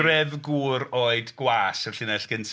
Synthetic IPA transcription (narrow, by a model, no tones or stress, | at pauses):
rɛðɡuːɾoːɨdɡ̥waːsɛrɬɪnɛɬɡ̥ənsʰ